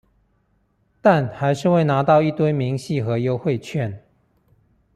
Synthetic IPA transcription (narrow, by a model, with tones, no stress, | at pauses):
t̪a˥˨nxa˧˥ɪʂɻ̩˥˧we˥˩ɪna˧˥t̪ɑ˥˧ʊi˥˩t̪we˥ɪmi˧˥ŋɕi˥˨˩xɤ˧˥jo˧˥ʊxwe˥˧ɪt͡ɕʰɥɛ˥˨n